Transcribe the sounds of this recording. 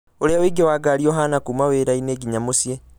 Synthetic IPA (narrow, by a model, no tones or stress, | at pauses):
oɾeaweːɡewaːɡaːɾiɔɦanakuːmaweːɾaineːɡiɲamosie